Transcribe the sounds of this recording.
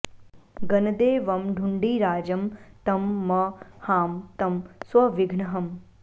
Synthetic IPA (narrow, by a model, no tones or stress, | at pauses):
ɡɐnɐd̪eːʋɐmɖʱuɳɖiːɾaːd͡ʒɐmt̪ɐmːɐhaːmt̪ɐmswɐʋɪɡʱɳɐɦɐm